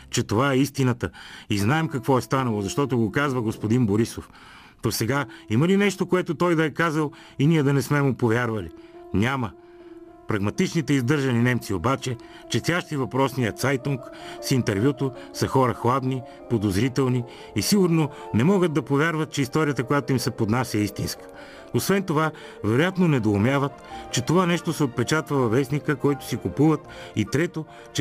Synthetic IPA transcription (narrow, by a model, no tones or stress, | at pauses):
t͡ʃɛt̪ovaɛist̪inɐt̪əiznaɛmkɐkvɔɛst̪anɐlˠozɐʃt̪ɔt̪ʊɡokazvɐɡospod̪inboɾisof | d̪̥osɛɡaimɐlinɛʃt̪okoɛt̪ot̪ɔjd̪ɐɛkazəlˠ | iniɛd̪ɐnɛsmɛmupovʲjaɾvɐli | nʲamə | pɾɐɡmɐt̪it͡ʃnit̪ɛizd̪ɤɾʒɐninɛmt̪siobat͡ʃɛ | t͡ʃɛt̪sʲaʃt̪ivɐpɾɔsnijət̪sajt̪uŋksint̪ɛɾvʲjut̪osɐxɔɾəxlˠad̪ni | pod̪ozɾit̪ɛlˠni | isiɡuɾno | nɛmɔɡəd̪̚d̪ɐpovʲaɾvɐt̪̚t͡ʃɛist̪ɔɾijət̪əkojat̪oimsɛpod̪nasʲəɛist̪inskə̥ | osvɛnt̪ova | vɛɾojat̪nonɛd̪oːmʲjavət̪t͡ʃɛt̪ovanɛʃt̪osɛot̪̚pɛt͡ʃat̪vəvɐvɛsnikəkɔjt̪ʊ̥sikupuvət̪it̪ɾɛt̪o | t͡ʃ